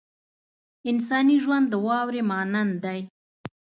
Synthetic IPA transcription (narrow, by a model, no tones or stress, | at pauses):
ɪnsɑniʒwand̪ːəwɑwɾemɑnand̪aj